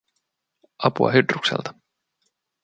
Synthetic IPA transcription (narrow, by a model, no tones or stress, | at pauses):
ɑpuɑ̰ɦydruksḛlt̪ɑ̥